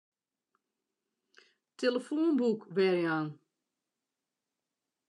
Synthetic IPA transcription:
teləfoːnbukʋɛɹjan

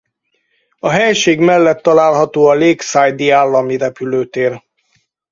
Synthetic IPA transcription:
ɒɦɛjʃeːɡmɛlːɛt̪ːɒlaːlɦɒt̪oːɒleːksajd̪iaːlːɒmiɾɛpyløːt̪eːr

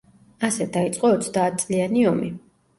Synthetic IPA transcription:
asɛd̪ait̪sʼqʼɔːt̪sʰd̪aːt̪̚ʰt̪sʼlianiɔmi

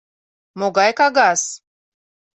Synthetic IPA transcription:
moɡajkaɡas

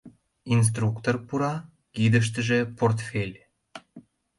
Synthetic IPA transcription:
ins̬t̪rukt̪orpuɾɑ | kid̪əʃ̬t̪əʒĕport̪fʲelʲ

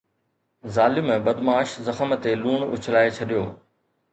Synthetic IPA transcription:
zaːlɪmɓɐd̪maːʃzɐxəmt̪eluːɳʊ̰t͡ɕʰlaːet͡ɕʰɐɗijoː

